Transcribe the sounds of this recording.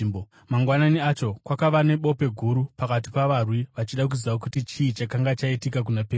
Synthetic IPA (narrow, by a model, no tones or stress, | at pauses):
bo | maŋɡwananiat͡ʃo̞kwakaʋane̞ɓo̞pe̞ɡʱuɾupakati̥paʋarwiʋat͡ʃiɗak̬uziʋaokutit͡ʃiit͡ʃakaŋɡat͡ʃaitikak̬unapeː